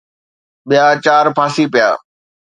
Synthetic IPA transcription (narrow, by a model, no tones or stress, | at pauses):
ɓɪjat͡ɕaːɾpʰãːsipɪja̰ː